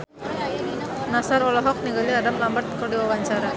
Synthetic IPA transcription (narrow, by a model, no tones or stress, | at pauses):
nasaɾɔlɔɦɔk̚niɡəliadamlambɐrt̪̚kɔɽiʋaʋaɲt͡ʃaɾa